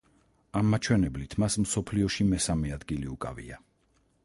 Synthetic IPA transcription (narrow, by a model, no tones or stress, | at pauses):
amːat͡ʃʰwɛnɛblit̪ʰmasmsɔpʰliɔʃimɛsamɛad̪ɡiliukʼavḭa